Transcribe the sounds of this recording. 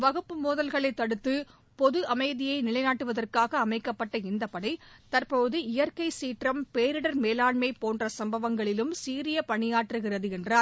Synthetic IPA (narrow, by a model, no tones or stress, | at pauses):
ʋɐɣɯpːɯmuːðɐlɣɐɭɐɪt̪ːɐɽɯt̪ːɯ | pɔðɯʔɐmɐɪðɪjɐɪnɪɭɐɪnaːʈːɯʋɐðɐrkaːɣɐːmɐɪkːɐpːɐʈːɐɪnd̪ɐpɐɽɐɪt̪ɐrpoːðɯɪjɐɾkɐɪsiːʈrɐmpeːɾɪɽɐɾmeːlaːɳmɐɪpoːndrɐsɐmbɐʋɐŋɡɐɭɪlɯmsiːɾɪjɐpɐɳɪjaːʈrɯɣɪrɐðɯɛndraːɾ